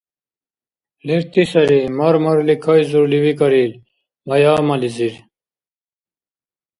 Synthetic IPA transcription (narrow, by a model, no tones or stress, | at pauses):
leɾt̪isɐɾimɐɾmɐɾlikʰɐjzuɾliwikɐɾil | mɐjaːmɐliziɾ